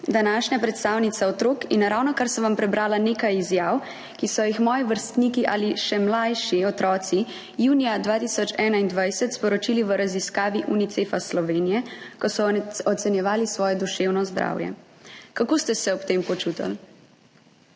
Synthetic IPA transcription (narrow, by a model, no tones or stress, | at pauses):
d̪anaʃɲapɾɛt̪st̪aːwnit̪saɔt̪ɾoːkinɾawnɔkaɾsɔʋampɾɛbɾaːlaneːkajizjaːw | kisɔjixmɔːjiʋəɾst̪niːkiʔaliʃɛmlajʃiɔt̪ɾɔːt̪si | juːnijad̪ʋaːt̪isɔt͡ʃɛːnaind̪ʋajsɛt̪spɔɾɔt͡ʃiːliʋəɾaziskaːʋiʔunit̪sefaslɔʋeːnijɛkɔsɔɔt̪sɛnjɛʋaːlisʋɔːjɛd̪uʃewnɔzd̪ɾa̰wjɛ̰ | kakoːst̪ɛsɛɔpt̪empɔt͡ʃuːt̪a̰l